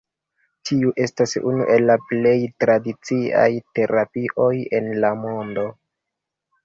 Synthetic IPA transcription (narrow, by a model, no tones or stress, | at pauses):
tʰiuʔe̞stasṵnṵʔe̞lːaple̞jtɾadit͡sia̰jte̞ɾapiʔo̞je̞nlamo̞ndo̞